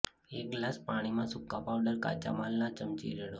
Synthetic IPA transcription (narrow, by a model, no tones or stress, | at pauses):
ek̚ɡlaspaɽ̃imãsʊkːãpaʋɖəɾka̰t͡ʃa̰malːat͡ʃəmt͡ʃḭɾeɽo